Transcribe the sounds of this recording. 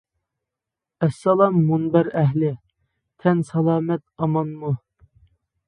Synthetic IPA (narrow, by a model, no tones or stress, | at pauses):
ɛsːɑlˠɑmːunbæɾɛɦlɪ | t̪ʰɛnsɑlˠɑːmɛt̪̚ɑmɑnmu